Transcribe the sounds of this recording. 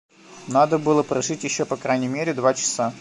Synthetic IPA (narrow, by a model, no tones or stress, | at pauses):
nad̪əbɨlˠəpɾɐʐɨtʲjɪɕːopɐkɾajnʲɪmʲeɾʲɪd̪vat͡ɕɪ̥sa